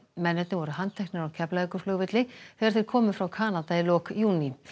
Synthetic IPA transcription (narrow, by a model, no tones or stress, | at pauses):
mɛnːɛt̪nɪvɔɾʏɦant̪ʰɛhknɪɾacʰɛplaðɪkʏ̥flœːɣvɪt̪lɪθɛḁɾθeɾ̥kʰɔːmʏfɾawkʰaːnat̪ailɔːkjuːni